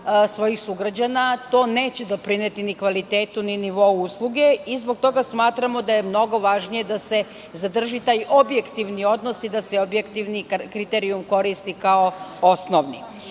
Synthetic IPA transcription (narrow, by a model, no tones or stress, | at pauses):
sʋo̞jixsuɡɾad͡ʑanat̪o̞ːne̞ːt͡ɕed̪opɾinet̪inikʋalit̪eːt̪uniniʋo̞uuslˠuɡe̞izbo̞ɡ̚t̪o̞ɡasmaːt̪ɾamo̞d̪aje̞mno̞ɡo̞ʋaʒnije̞d̪ase̞ | zad̪r̩ʒit̪aːjʔo̞bje̞kt̪iʋnio̞d̪no̞sid̪aseobjekt̪iʋnikɾit̪eɾiumko̞ɾist̪ikaoo̞snoʋnḭ